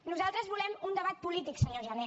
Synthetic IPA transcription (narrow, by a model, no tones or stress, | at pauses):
nuzalˠt̪ɾəzβulɛmund̪əβ̞at̪̚pulit̪iksəɲoʒəne